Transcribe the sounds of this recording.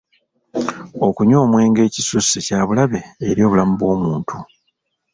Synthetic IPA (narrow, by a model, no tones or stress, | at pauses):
o̞kuɲo̞ːmwe̞ːŋɡe̞ːcisusicaːβulaβe̞ːɾjo̞ːβulamuβwo̞ːmuːntʰu